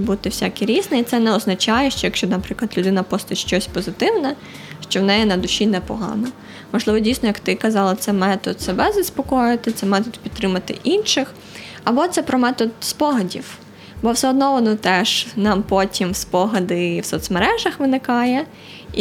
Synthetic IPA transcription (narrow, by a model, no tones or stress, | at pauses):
but̪ɪwsʲakʲiɾʲiznɛit̪sɛnɛɔznɐt͡ʃɑjɛʃt͡ʃɔjɐkʃt͡ʃɔnɐpɾɪklˠɐd̪lʲʊd̪ɪnɐpɔst̪ɪʃt͡ʃɔsʲpɔzɪt̪ɪwnɛ | ʃt͡ʃɔwnɛjɛnɐd̪ʊʃʲinɛpɔɦɑ̰nɔ | mɔʒlˠɪʋɔdʲijsnɔjɐkt̪ɪkɐzɑlˠɐt̪sɛmɛt̪ɔd̪sɛbɛzɐspɔkɔjɪt̪ɪt̪sɛmɛt̪ɔd̪pʲid̪t̪ːɾɪmɐt̪ɪ̰ʔinʃɪx | ɐbɔt̪sɛpɾɔmɛt̪ɔd̪spɔɦɐdʲiw | bɔwsɛɔd̪nɔʋɔnɔt̪ɛʒnɑmpɔtʲimspɔɦɐd̪ɪwsɔt̪smeɾɛʒɐxʋɪnɪkɑjɛ